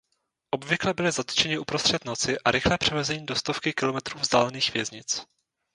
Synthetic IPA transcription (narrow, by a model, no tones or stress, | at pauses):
ʔo̞bvɪklɛbɪlɪzat̪t͡ʃɛɲɪʔupɾo̞st̪r̥ɛt̪no̞t͡sɪʔaɾɪxlɛːpr̝̥ɛvɛzɛɲiːdo̞st̪o̞fkɪkɪlo̞mɛt̪ɾuːvzd̪aːlɛniːxv̥jɛzɲɪt͡s